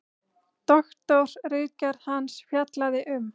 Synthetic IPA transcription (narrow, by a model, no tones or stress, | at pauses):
t̪ɔxt̪ɔɾ̥riːcaɾ̥hansfjat̪laðɪʔʏm